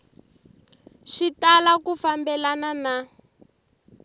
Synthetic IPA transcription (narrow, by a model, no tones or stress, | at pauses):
ʃitalakufambɛlanana